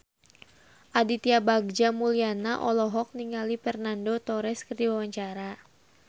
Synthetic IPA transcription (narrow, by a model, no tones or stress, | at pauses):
ʔadit̪iabaɡ̚d͡ʒamulianaʔɔ̰lɔɦɔk̚niŋalifɛrnandot̪ɔɾɛskərdiwawaɲt͡ʃaɾa